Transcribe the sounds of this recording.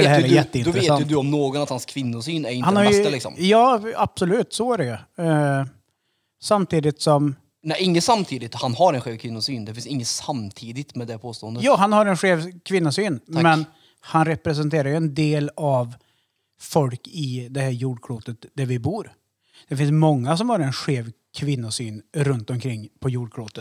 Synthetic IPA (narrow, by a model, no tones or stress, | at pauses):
ɛhːɾɛjɛt̪ːəɪnd̪ɔvɾeːsjɵd̪ɵɔmnoːɡɔnat̪hanskʰvɪnːʊsyːnæɾɪnhanhaɾj̪lɪksɔ̰mjɑːab̥sɔlʉ̟ːt̪sɔæɾɛjɵ | samt̪ʰiːd̪ɪt̪sɔm | næɪŋːəsamt̪ʰiːd̪ɪt̪hanhaɾɛnɧeːvkʰvɪnːʊsyːnd̪ɛfɪnsɪŋːənsamt̪ʰiːd̪ɪt̪mɛd̪ɛpʰoːst̪oːənd̪əjɑːɦanhaɾɛnɧeːvkʰvɪnːʊsyːnmɛn | hanɾɛpɾɛs̬ɛnt̪ʰeːɾaɾjɵɛnd̪eːlav | fɔlkɪd̪ɛhæːɾjuːɖkʰɽuːt̪ət̪d̪̥æɾvɪbuːɾ | d̪̥ɛfɪns̬mɔŋːas̬ɔmhɑːɾɛnɧeːv | kʰvɪnːʊsyːnɾɵnt̪ɔmkʰɾɪŋːpʰɔjuːɖkʰɽuːt̪ət̪